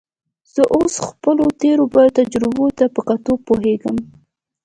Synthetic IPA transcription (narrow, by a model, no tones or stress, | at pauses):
z̥əʔosxpəlot̪eɾobajot̪ad͡ʒɾɪbot̪apəkat̪opoɦeɡəm